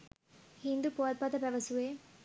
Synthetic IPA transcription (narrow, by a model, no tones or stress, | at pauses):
hind̪upoɐt̪̚pat̪ɐpɛʋɐsue